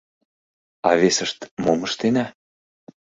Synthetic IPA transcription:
ɑ̰vesə̆ʃt̪momə̆ʃt̪enæ

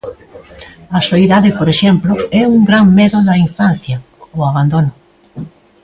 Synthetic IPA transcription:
asoiðaðepoɾeʃemploɛuŋɡɾaŋmeðoðaiɱfan̟θja | oaβ̞and̪ono

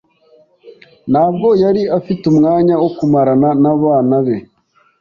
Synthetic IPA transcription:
nhaːb̚ɡo̞jaɾiafitumŋaːɲawokumaɾananaβaːnaβe̞

